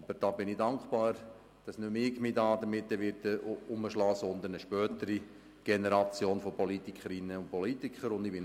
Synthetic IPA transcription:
b̥əɾd̥ɑːbɪnɪdɑŋkχpɑːɾ | d̥ɑsnømɪɡmidɑːd̪əɾmɪt̪ːəʋɪɾtəʊməʃlɑːsɔnd̪ənəʃpœːt̪əɾi | ɡ̥ɛnɛɾɑt͡sjoːnfɔpɔlit̪ikʰχəɾɪnːəʊntpɔlit̪ikχəɾʊnd̪ɪbɪn

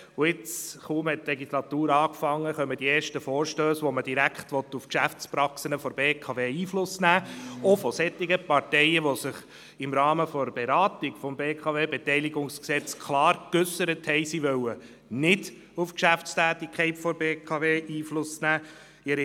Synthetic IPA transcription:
ʊɪt͡sχuːmhɛtːlɛɡislɑt̪uːɾɑːkfɑŋːəχœməd̥ieːɾʃtəfɔːɾʃtøːsʋoməd̥iɾækχtʋɔt̪ːufkʃæft͡spɾɑksənəfɔɾbeːkʰɑʋeːiːflʊsnæːofɔsɛt̪ːɪɡəpɑɾtɛɪəʋosɪχ | ɪmɾɑːməfɔbeɾɑːtɪkfɔmbeːkʰɑveːbɛtɛɪliɡʊŋsksɛt͡skʰlɑːɾkʏsəɾəthɛɪsiʋœwə | nɪd̥ | ufkʃæft͡stæːtikχɛɪtfɔɾbeːkʰɑveːʔiːflʊsnæː | ɪɾi

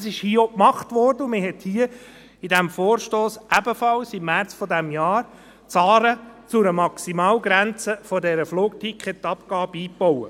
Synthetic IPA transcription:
sɪʃhiːɔkmɑχtʋɔrdəʊmɪɦɛt̪hiːə | idæmfoːɾʃtoːsʔæbəfɑlsimːæɾt͡sfɔdæmjɑːɾ | t͡sɑːɾət͡sʊɾəmɑksimɑːlɡɾænt͡səfɔdɛɾəfloːk̚tikχɛt̪ːɑpkɑːbiːpːɔwə

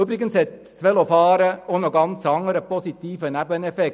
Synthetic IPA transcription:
ybɾɪɡənshɛt̪ | sʋɛlofɑːɾəonɔɡɑnt͡sɑŋːəɾəpɔsit̪iːfənæbənɛfɛk

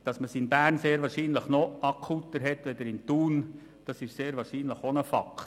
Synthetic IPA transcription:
d̥ɑsməsinbæːrnseːɾʋɑːɾʃiːnləχnɔʔɑkʰut̪əɾɦɛtʋɛd̪əɾɪnt̪uːn | d̥ɑsɪʃseːɾvɑːʃiːnləχonəfɑ̰kʰt

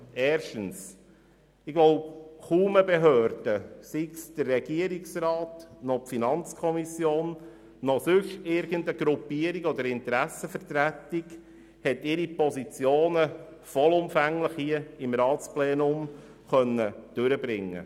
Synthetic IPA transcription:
ɛːɾʃtəns | ɪɡʋɔwχuːməbeɦøːɾd̥əsiksd̥ərːɛɡ̥iəɾiksɾɑːtnɔpfinɑnt͡skʰɔmisjoːnː | ɔsʏʃtɪɾɡəndəɡɾupːiəɾiɡɔd̪əɾɪnt̪əɾæsəfəɾtɾætːiɡ | hɛtɪɾipɔsit͡sjoːnə | fɔlʊmfæŋləχhiəɪmɾɑːtt͡splɛːnʊm | χœnːəd̥øɾəbɾɪŋːə̰

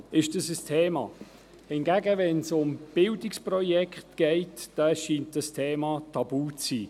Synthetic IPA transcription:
ɪʃd̥əsəstʰeːmɑ̰ː | hɪnɡ̥æɡəvɛnsʊmb̥ɪldɪksprɔjɛkχtɡ̥ɛɪtd̥ɑʃiːnt̚d̥əstʰeːmɑtʰɑbuːt͡siː

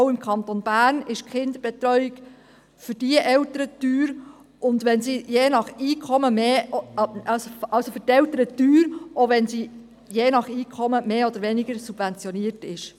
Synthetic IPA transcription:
ʊɪmkʰɑnt̪onbæːɾnɪʃkχɪnd̪əɾb̥ɛt̪ɾœʏɪɡ | fʏɾd̥iəʔɛwtəɾətyːɾ | ʔʊnd̪ʋɛnsiːjeːnɑχiːkʰɔməmeː | ɑsoɑlsofʏɾtɛltəɾət̪yːɾʔoʋɛnsiː | jeːnɑχiːkʰɔməmeːod̥̪əɾʋɛnɪɡ̥əɾsub̥vɛnt͡sjɔniəɾtɪʃ

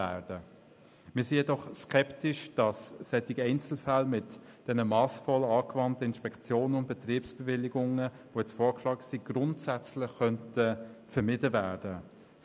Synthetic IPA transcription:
æːɾd̥ə | mɪːsiːjɛdɔχskʰɛptɪʃd̥ɑsːɛtɪɡɛɪnt͡sl̩falmɪt | d̥ɛnəmɑːsfɔlɑːkvɑntəɪnʃpɛkt͡sjoːnənʊnd̚b̥ɛt̪riːpsb̥ɛvɪlːiɡʊŋə | vojɛt͡sfɔːɾkʃlɑːksiɡ̥rʊntsæt͡slɪχːœntəfəɾmɪdəvæːd̥ə

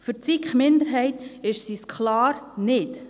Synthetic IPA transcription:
fʏɾt͡sikχmɪnd̪əɾɦɛɪtɪʃsiskʰlɑːɾnɪt

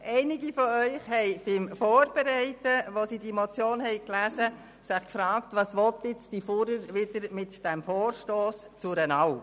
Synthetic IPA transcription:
ʔɛɪnɪɡifɔœʏχhɛɪb̥ɪmfoːɾb̥ɛɾɛɪtəʋosidimɔt͡sjoːnhɛjklæːzə | sɪχkfɾɑːktʋɑːsʋɔtɪt͡stifuɾəɾʋɪdəɾmɪtd̥æmfoːɾʃtoːs | t͡sʊɾɛnɑʊ

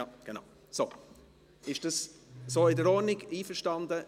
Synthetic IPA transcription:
ɑɡ̥ena̰ʊ | so | ɪʃd̥ɑssoːɪdəɾɔnɪɡiːfəʃtɑndə

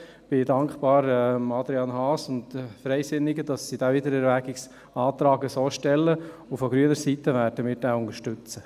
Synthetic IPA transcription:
b̥ɪdɑŋkpɑːɾɛmɑd̪ɾiɑnhɑːsʊntfɾɛɪsɪnːɪɡəd̥ɑsːid̥aːvɪdəɾɛɾvæɡɪks | ɑːt̪ɾɑːɡəsoːʃtɛlːəufɔɡɾyənəɾsitːəʋæːɾdəmɪːɾd̥ɛʊŋəʃtʏt͡sə

